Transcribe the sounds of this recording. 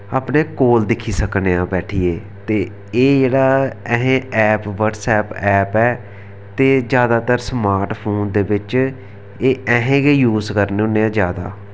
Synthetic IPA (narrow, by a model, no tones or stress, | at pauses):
aːpneːkoːld̪ɪkʰːiːsəkneãːbɛːʈʰiːeː | t̪eː | eːd͡ʒeːɽaːɛɦẽːɛːpʋəʈsɛːpɛːpɛː | t̪eːd͡ʒjaːd̪aːt̪əɾsmaːɾʈpʰoːnd̪eːbɪt͡ʃ | eːɛ̃ːɦẽːɡeːjuːzkəɾneːʊnːeːãːd͡ʒjaːd̪a̰ː